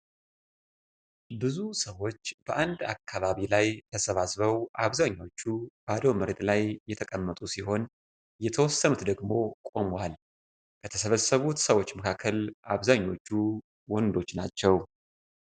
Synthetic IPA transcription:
bɨzusəwo̞t͡ʃːb̥əʔand̪a̰kʰːaβaβilajt̪ʰəsəβasβəwʔaβzaɲːawot͡ʃːubad̪oməɾet̪lajːɛt̪ʰəkʼəmːət̪ʼusiho̞n | jɛt̪ʰəwɔsːənut̪d̪əɡmo̞kʼo̞mwal | bʰət̪ʰə̥səβəsːəβut̪səwo̞t͡ʃːməkʰakʰːəlʔaβzaɲːo̞t͡ʃːu | wɔnd̪o̞t͡ʃːnat͡ʃːɛw

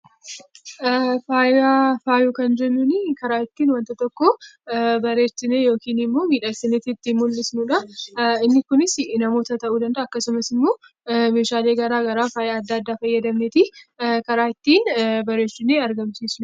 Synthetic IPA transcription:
faːjafaːjuːkɐnd͡ʒɛnːʊnɪkɐɾaːɪt̪ːiːnwɐnt̪ɐt̪ɔkːoːbɐɾe̞ːɾt͡ʃːɪneːjo̞ːkiːnɪmːo̞ːmiːᶑɐlsɪneːt̪ɪt̪ːɪmːʊlːɪsnʊᶑɐɪnːɪkʊnɪsnɐmo̞ːt̪ɐt̪ɐʔuːd̪ɐnd̪ɐʔɐːɐkːɐsʊmɐsɪmːo̞ː | me̞ːʃaːle̞ːɡɐɾaːɡɐɾaːfaːjɐd̪ːɐːd̪ːaːfɐjːɐd̪ɐmneːt̪ɪkɐɾaːɪt̪ːiːnbɐɾeːɾt͡ʃːɪneːɐɾɡɐmsiːsnʊ

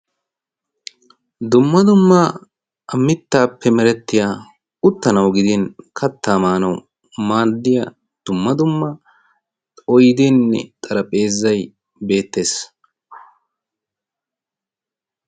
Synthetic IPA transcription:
d̪ʊmːɐd̪ʊmːa | ɐmːɪt̪ːaːpːɛmɛɾɛt̪ːɪjaː | ʊt̪ːɐnɐwɡɪd̪ɪnkʰɐt̪ʰːamaːnɐw | maːd̪ːɪja | d̪̥ʊmːɐd̪ʊmːɐ | t̪ʼɔjd̪enːɛ̰t̪ʼɐɾɐpʼe̞ːzːɐj | be̞ːt̪ːe̞ːs

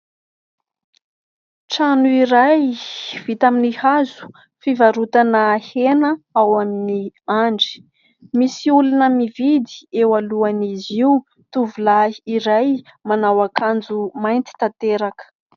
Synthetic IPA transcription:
ʈ͡ʂanuiɾajv̥it̪aminihazu̥ | fivaɾut̪anəhenəawaminiaɳɖ͡ʐi̥ | misiulunəmivid̪i̥ewaluaniziu | t̪uvulaiɾaj | manawakand͡zumajnt̪i̥t̪at̪eɾakə̥

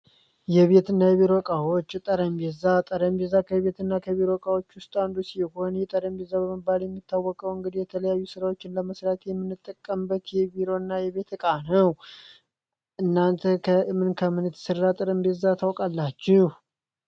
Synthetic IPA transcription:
jɛβe̞t̪ɨnːajɛβiɾo̞kʼawo̞t͡ʃːt̪ʼəɾəmbɛzat̪ʼəɾəmbɛzakʰəβe̞t̪ɨnːakʰəβiɾo̞kʼawo̞t͡ʃːwʊst̪ʼand̪usiho̞njɛt̪ʼəɾəmbezaβəməbaljɛmːit̪ːawːɔkʼəwɨŋɡɨd̪ihjɛt̪ʰələjajːusɨɾawot͡ʃːɪnləməsɾat̪jɛmːɨnːɨt̪ʼːəkʼːəmbət̪jɛβiɾo̞ɨnːajɛβe̞t̪ɨkʼanəw | ʔɨnːant̪ʰəkʰəʔɨmɨnkʰəmɨnɨt̪sɨɾːat̪ʼəɾəmbɛzat̪ʰawkʼalːat͡ʃːɪh

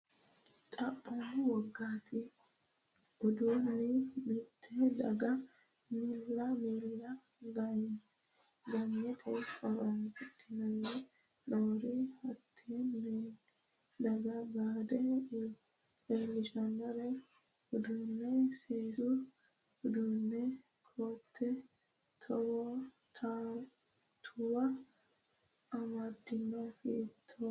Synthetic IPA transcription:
t̪ʼɐʔːʊnʊwɔɡːaːt̪ʰɪ | ʔʊd̪uːnːɪmɪt̪ʰːɛd̪ɐɡɐ | mɪlːɐmilːɐ | ɡɐj | ɡɐɲːɛt̪ʰɛfɔɾɔnsɛt̪ʰːɪnɐnːɛ | noːɾɪhɐt̪ʰːiːnːɛ | d̪ɐɡɐbaːd̪ɛ | eːlːɪʃɐnɔɾɛ | hʊd̪uːnːɛseːsu | hʊd̪unːɛ | kʰoːt̪ʰːɛ | t̪ʰɔwo | t̪ʰaː | t̪ʰʊwɐ | ɐmɐd̪ːɪnːofeːt̪ʰːo

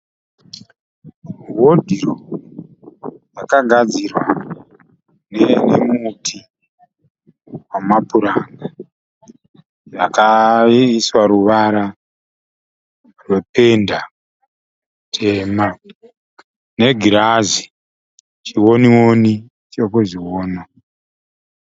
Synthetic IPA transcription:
uwodʱiro | jakaɡʱad͡zirwa | nenḛmutʰi | wamapuɾaŋɡa | jakaiswaɾuʋaɾa | rwependa | tʰema | ne̞ɡʱiɾazi | t͡ʃiwo̞niwoni | t͡ʃokuziwoːna

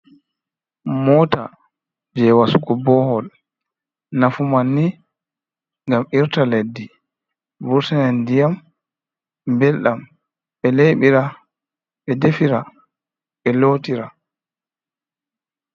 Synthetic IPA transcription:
mɔːta̰ | d͡ʒɛwasukɔbɔhɔl | nafumanːi | ŋɡamiɾtaledːi | buɾtinɛndijam | bɛlɗam | ɓɛlejɓiɾa | ɓɛdefiɾa | ɓɛloːtiɾa

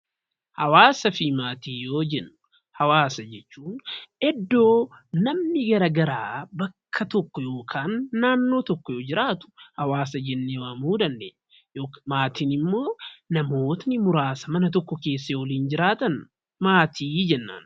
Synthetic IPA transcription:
hɐwaːsɐfɪmaːt̪iːjo̞ːd͡ʒɛnːʊ | hɐwaːsɐd͡ʒɛt͡ʃːuːnɛd̪ːo̞ːnɐmnɪɡɐɾɐɡɐɾaːbɐkʰːɐt̪ɔkːɔjo̞ːkʰaːnːaːnːo̞ːt̪ɔkːɔjoːd͡ʒɪɾaːt̪ʊ̥hɐwaːs̬ɐd͡ʒɛnːeːwamuːd̪ɐnd̪e̞ːɲːɐ | joːkmaːt̪iːnɪmːo̞ːnɐmo̞ːt̪nɪmʊɾaːsɐmɐnɐt̪̬ɔkːɔke̞ːsːɐwɔliːnd͡ʒɪɾaːt̪ɐn | maːt̪ʰiːd͡ʒɛnːa̰ːn

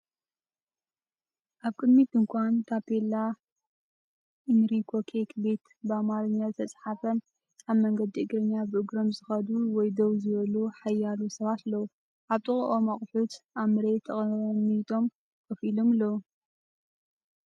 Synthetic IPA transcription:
ʔaβkʼɨd̪mit̪ɨŋkʷʰant̪ʰapʰela | ʔinɾikʰo̞kʰekbe̞t̪ | bɨamaɾɨɲːazɨt̪ʰɐt͡sʼħafɐn | ʔaβmɐŋɡɐd̪iʔɨɡɾɐɲːabɨʔɨɡɾo̞mzɨxɐd̪uwɔjd̪ɐwzɨβɐluħajːalusɐβat̪lːɐwu | ʔaβt̪ʼɨχʼʔomɐχʼħut̪ʔamɾet̪ʰɐχʼmit̪ʰʼo̞m | kʼɨfilo̞mlːɐwu

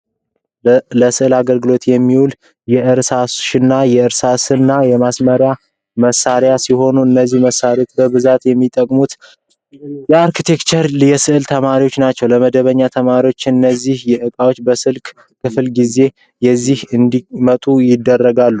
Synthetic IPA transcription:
ləsɨʔɨlaɡəlɡɨlo̞t̪jɛmːiwul | jɛʔɨɾsasʃɪnːajɛɨɾsasɨnːajɛmasməɾja | məsːaɾjasiɦo̞nuɨnːəzːihməsːaɾiot̪̚bəβɨzat̪jɛmːit̪ʼəkʼmut̪ | jɛaɾkit̪ʰekt͡ʃɛɾljɛsɨʔɨlt̪ʰəmaɾiwo̞t͡ʃːnat͡ʃːɛwləməd̪əβəɲːat̪ʰəmaɾiwo̞t͡ʃːɪɨnːəzːihjɛʔɨk̪ʼawo̞t͡ʃːbəsɨlkʼ | kɨfɨlɡize̞ | jɛzːihɨnd̪imət̪ʼujɪd̪ːərːəɡalːu

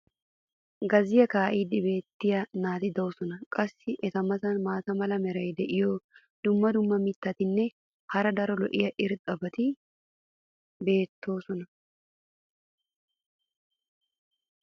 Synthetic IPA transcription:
ɡɐzɪjɐkaːʔiːd̪ɪbe̞ːt̪ːɪjɐnaːt̪ɪd̪ɐwsɔnɐkʼɐsːɪʔɛt̪ɐmɐt̪ɐnmaːt̪ɐmɐlɐmɛɾɐjd̪ɛʔɪjoː | d̪ʊmːɐd̪ʊmːɐmɪt̪ːɐt̪ɪnːɛ | hɐɾɐd̪ɐɾɔlɔʔɪjɐʔɪɾd̪ʼɐbɐt̪ɪ | be̞ːt̪ːo̞ːsɔnɐ

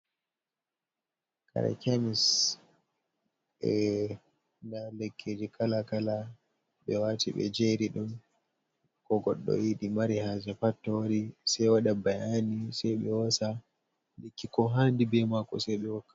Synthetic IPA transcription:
kʰa̰ɾa̰kʰamis | ɛ | ndalɛkʰːed͡ʒikʰalakala | ɓɛwatʰiɓɛ̰d͡ʒeɾiɗun | kɔɡɔɗːɔ̰jiɗimaɾihad͡ʒapatːɔwɾisajwaɗabajanisajɓɛwɔsa | lekːikɔɦandibɛmakɔ̰sajɓɛwakːḁ

